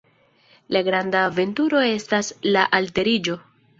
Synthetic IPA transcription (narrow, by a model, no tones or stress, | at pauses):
laɡɾandaːve̞ntuɾo̞e̞staslaʔalte̞ɾid͡ʒo̞